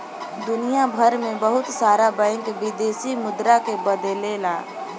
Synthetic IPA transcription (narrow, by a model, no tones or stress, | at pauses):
d̪ʊnijabʱəɾmẽbəɦʊt̪saːɾabə̃ɪŋkʋɪd̪eːsimʊd̪ɾakebəd̪elelaː